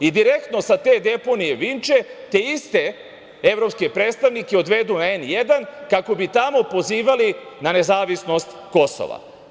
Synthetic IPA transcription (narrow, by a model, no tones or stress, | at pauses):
id̪iɾe̞k̚t̪no̞sat̪e̞ːd̪e̞po̞nije̞ʋint͡ʃe̞t̪e̞ist̪e | eʋɾo̞pskepɾeːt̪st̪aʋnikeo̞d̪ʋe̞d̪unaenje̞d̪ankako̞bit̪amo̞po̞ziːʋali | nane̞zaːʋisno̞st̪ko̞so̰ʋa̰